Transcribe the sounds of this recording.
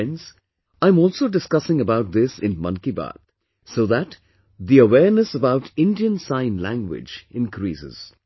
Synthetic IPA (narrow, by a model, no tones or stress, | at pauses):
nz̥ | ãɪ̃mɔːlˠsoːɖɪskʌsɪ̃ŋəbaʊʈ̚d̪ɪsɪ̃nmʌ̰̃nkiba̰t̪ | soːðæʈ | d̪iəwɛːɾnəsəbaʊʈʰɪ̃nɖiə̃nsãɪ̃nlæ̰̃ŋɡwɪ̰d͡ʒɪ̃nkɾḭːsɪ̰z̥